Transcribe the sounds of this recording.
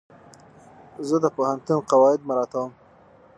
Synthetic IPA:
zəd̪əpohant̪unqawɑɪd̪̚maɾɑt̪awəm

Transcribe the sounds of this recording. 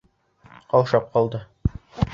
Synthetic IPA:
qɒlˠʃɑp̚qɒlˠd̪ɤ

